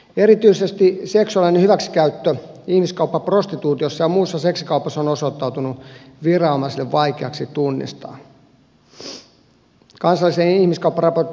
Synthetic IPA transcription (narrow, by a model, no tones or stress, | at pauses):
eɾit̪yisest̪iseksuɑlinehyʋæksi̥kæyt̪ːøihmiskɑupːɑprost̪it̪uːt̪iosːɑjɑmuːsːɑseksikɑupɑsːonosot̪ːɑwt̪unuʋirɑomɑsilːeʋʋɑikeɑksit̪unːḭst̪ɑ̰ː | kɑnsɑlːˑisenihmiskɑupːɑrɑpor